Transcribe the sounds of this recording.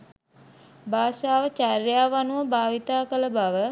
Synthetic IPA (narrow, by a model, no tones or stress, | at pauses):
baːʃaːʋət͡ʃaɾjaːʋanuəbaːʋit̪aːkələbaʋə